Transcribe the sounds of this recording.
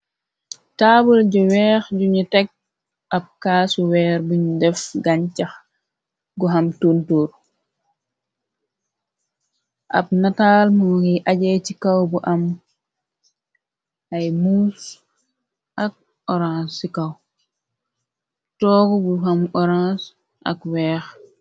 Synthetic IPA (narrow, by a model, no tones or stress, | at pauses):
tabulɟɔwɛːxɟuɲutɛk̚ | ɐb̚kaːsuwɛːɾbuɲudɛfɡaɲcɐx | ɡuɦɐmtuntuːɾ | ʔɐ̰b̚natalmɔɡiʔaɟɛcikɐwbuʔɐm | ʔajmuːs | ʔɐk̚ | ɔɾãnsikɐw | tɔːɡɔbuhɐmɔɾãːs | ʔɐ̰kwɛːx